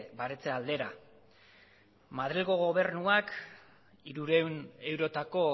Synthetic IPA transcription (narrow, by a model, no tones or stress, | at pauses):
baɾet͡se̞ald̪e̞ɾa | mað̞ɾilɣo̞ɣo̞β̞e̞rnuak | iɾuɾe̞wne̞wɾo̞t̪ako̞